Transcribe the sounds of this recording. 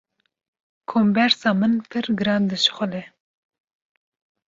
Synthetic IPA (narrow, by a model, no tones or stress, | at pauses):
kʰombɛɾsɑːmɨnpʰɨɾɡɨɾɑnd̪ɨʃxʷɔlɛ